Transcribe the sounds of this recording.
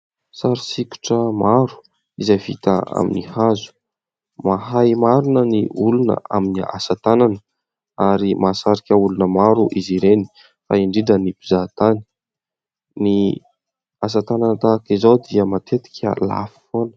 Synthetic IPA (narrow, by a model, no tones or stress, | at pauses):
saɾisikʲu̥ʈ͡ʂəmaɾu̥ | izajvit̪ə̰a̰minihazu̥ | maɦajmaɾunəniʔulunə̰ʔa̰minia̰sat̪ananə | aɾimasaɾikʲəulunəmaɾuʔiziɾeni̥ | fa̰iɳɖ͡ʐiɖ͡ʐənipizat̪ani̥ | ni | as̬at̪ananət̪akizawd̪iəmat̪ʰet̪i̥kʲʰə̰la̰fi̥fonə̥